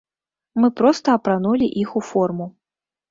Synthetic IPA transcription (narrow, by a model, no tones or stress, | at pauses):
mɨpɾɔst̪ɐːpɾanulʲiʔixufɔrmu